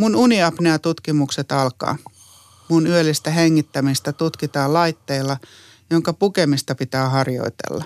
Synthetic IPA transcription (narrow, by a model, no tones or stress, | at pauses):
mununiɑpneæt̪ut̪kimukset̪ɑlkɑ̰ː | munyølːist̪æheŋːit̪ːæmist̪æt̪ut̪kit̪ɑːlɑit̪ːeilːɑ | joŋkɑpukemist̪ɑpit̪æːhɑrjo̰it̪ḛlːɑ